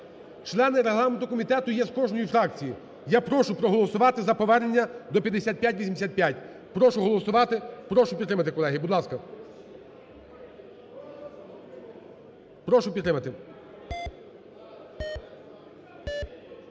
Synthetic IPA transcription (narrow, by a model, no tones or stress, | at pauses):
t͡ʃlˠɛnɪɾeɦlˠɑment̪ʊkɔmʲit̪ɛt̪ʊjɛskɔʒnɔjifɾɑkt͡sʲiji | japɾɔʃʊpɾɔɦɔlˠɔsʊʋɑt̪ɪzɐpɔʋɛrnenʲːɐd̪ɔpʲjɐd̪ːesʲat̪̚pʲjatʲʋʲisʲimd̪esʲat̪̚pʲjatʲ | pɾɔʃʊɦɔlˠɔsʊʋɑt̪ɪpɾɔʃʊpʲit̪ːɾɪmɐt̪ɪkɔlˠɛɦɪbʊd̪lˠɑskɐ | pɾɔʃʊpʲt̪ːɾɪmɐt̪ɪ